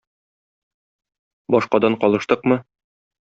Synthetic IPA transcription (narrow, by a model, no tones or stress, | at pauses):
bɒʃqɑd̪ɑɴqɒlˠɤ̆ʃt̪ɤqmɤ